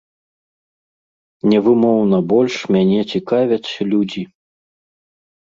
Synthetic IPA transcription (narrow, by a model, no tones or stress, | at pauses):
nʲɛvɨmɔwnɐbɔlʲʂmʲanʲɛt͡sʲikavʲɐsʲɐlʲud͡zʲi